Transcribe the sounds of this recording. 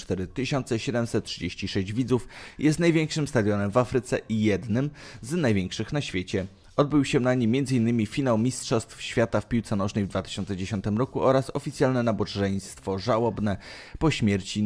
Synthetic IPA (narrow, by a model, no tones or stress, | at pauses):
t̪ɛɾɘt̪ɘɕɔnt̪sɛɕɛd̪ɛmsɛt̪̚tːʂɘd͡ʑeɕt͡ɕiʂɛɕd͡ʑvʲid̪zufjʔɛst̪najvʲɛŋkʂɘmst̪ad̪jɔnɛmvafɾɘt̪sɛʔijɛd̪nɘmznajvʲjɛŋkʂɘxnaɕfʲjet͡ɕɛ | ɔd̪̚bɘwɕɛnaɲimʲːjɛnd̪zɘinːɘmʲifʲinawmʲistʂɔst̪fɕfʲjat̪afpʲiwt̪sɛnɔʐnɛjvd̪vat̪ɘ̥ɕɔntsɛd͡ʑeɕɔnt̪ɘmɾɔkuɔɾasɔfʲit̪sʲjalnɛnabɔʐɛj̃st̪fɔʐawɔbnɛpɔɕmʲjɛɾt͡ɕi